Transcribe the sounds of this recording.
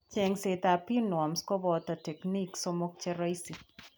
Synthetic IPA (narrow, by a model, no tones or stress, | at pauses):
t͡ʃɛŋset̪apinwɔmskɔbɔt̪ɐtɛkniksomok̚t͡ʃɛɾɐjsi